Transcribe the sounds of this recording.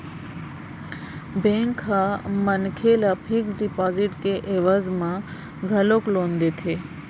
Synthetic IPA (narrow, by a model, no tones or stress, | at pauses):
bẽŋkɦamənkʰelapʰiksɖipɔːziʈkeʔeʋəzmã | ɡʱəloklond̪et̪ʰe